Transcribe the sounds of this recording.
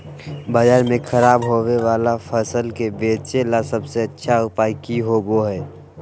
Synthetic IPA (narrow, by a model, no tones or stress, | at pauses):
bəd͡ʒaːɾmẽkʰəɾaːbɦoweʋaːlapʰəsəlkebeːt͡ʃelasəbseətːʃʰaʊpaːikiɦoboɦɛː